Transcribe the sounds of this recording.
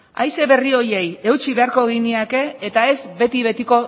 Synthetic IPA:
a̰jse̞βe̞rio̞je̞je̞wt͡ʃiβe̞aɾko̞ɣ̞iniake̞ːt̪ae̞zbe̞t̪iβ̞e̞t̪iko̞

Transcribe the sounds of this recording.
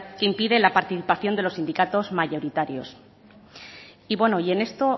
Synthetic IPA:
keimpiðe̞lapaɾt̪iθipaθjo̞nd̪e̞lo̞sːind̪ikat̪o̞zmaʝo̞ɾit̪aɾjo̞̰s | iβwe̞no̞ie̞ne̞st̪o̞

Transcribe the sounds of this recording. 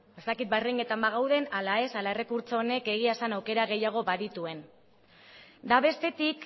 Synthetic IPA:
e̞st̪akit̪̚bariŋɡe̞t̪ambaɣ̞awðe̞nalae̞salae̞re̞kuɾt͡so̞ːne̞ke̞ɣ̞iasanawke̞ɾaɣ̞e̞jaɣ̞o̞βaðit̪ue̞n | d̪aβe̞st̪e̞t̪ik

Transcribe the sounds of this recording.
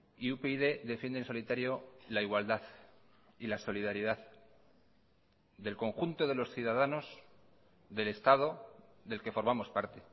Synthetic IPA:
iupeiðe̞ðe̞fjend̪enso̞lit̪aɾjo̞laiɣwald̪aθ | ilaso̞liðaɾiðað | ðe̞lko̞ŋxunt̪o̞ðe̞lo̞sθjuð̞aðano̞z | ðe̞le̞st̪að̞oðe̞lke̞fo̞ɾmamo̞spaɾt̪e̞

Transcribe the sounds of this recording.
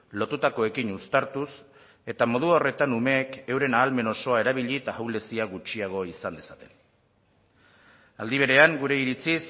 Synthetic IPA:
lo̞t̪ut̪ako̞e̞kiɲust̪aɾt̪us | e̞t̪amo̞ð̞uo̞re̞t̪anume̞ːke̞wɾe̞naːlme̞no̞so̞ae̞ɾaβ̞iʎit̪aawle̞siaɣut͡ʃiaɣ̞o̞isand̪e̞sat̪e̞n | a̰ld̪iβ̞e̞ɾe̞aŋɡuɾe̞iɾit͡sis

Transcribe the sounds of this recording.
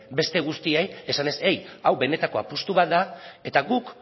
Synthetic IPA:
be̞st̪e̞ɣ̞ust̪ieje̞sane̞se̞jawβe̞ne̞t̪ako̞apust̪uβ̞at̪̚d̪ae̞t̪aɣuk

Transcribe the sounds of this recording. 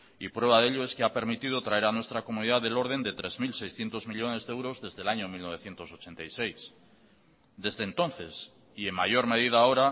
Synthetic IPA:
ipɾwe̞βaðe̞ʎoe̞skeape̞ɾmit̪ið̞ot̪ɾae̞ɾanwe̞st̪ɾako̞mũniðaðelo̞ɾðe̞nd̪e̞t̪ɾe̞zmilsejsθje̞nt̪o̞zmiʎo̞ne̞zðewɾo̞zðe̞zðe̞laɲomilno̞β̞e̞θje̞nt̪o̞so̞t͡ʃe̞nt̪ajse̞js | d̪e̞zðeːnt̪o̞nθe̞s | ie̞ŋmaʝo̞ɾme̞ðiðao̞ɾa

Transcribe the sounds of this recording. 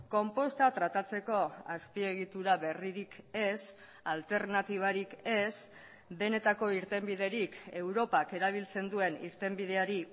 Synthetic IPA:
ko̞mpo̞st̪at̪ɾat̪at͡se̞ko̞aspie̞ɣ̞it̪uɾaβe̞riɾike̞s | alt̪e̞ɾnat̪iβ̞aɾike̞s | be̞ne̞t̪ako̞iɾt̪e̞mbið̞e̞ɾike̞wɾo̞pake̞ɾaβ̞ilt͡se̞nd̪ue̞nḭɾt̪e̞mbið̞e̞aɾi

